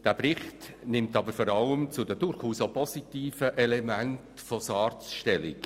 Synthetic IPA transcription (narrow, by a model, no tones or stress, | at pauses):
d̥æːprɪχtnɪmtɑbəɾfɔɾɑləmt͡sʊdədʊɾχuːsopɔsitiːfəʔɛlɛmæntfɔsɑːɾt͡sʃtɛlɪk